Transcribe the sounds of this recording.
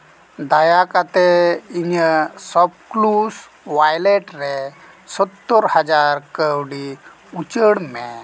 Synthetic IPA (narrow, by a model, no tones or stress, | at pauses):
d̪ajakat̪eiɲəsɔpklus | ʋajleʈɾe | sɔt̪ːɔɾhad͡zaɾkəwɽi | ut͡ɕəɽme